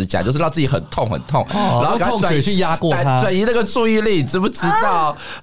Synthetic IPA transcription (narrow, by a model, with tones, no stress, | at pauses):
t͡ɕja̰˨˩t͡ɕo˥˧ʊʂ̩˥˧ɑ˥˧ʊt͡s̩˥˩t͡ɕi˨˥xə̰˨˩nt̪ʰo˥˨ŋxə̰˨˩nt̪ʰʊ˥˩˨ŋa˧˥xa˨˦˥at͡ɕɛ˨˩t͡ɕʰy˥˨˩ja˥kwɔ˥˨t̪ʰa˦˥wa˨˩ni˧˥nə˥˩ɡə˨ʈ͡ʂu˥˧i˥˧li˥˩ʈ͡ʂɻ̩˧˥bu˧˩ʈ͡ʂɻ̩˥t̪ɑ˥˨ʊ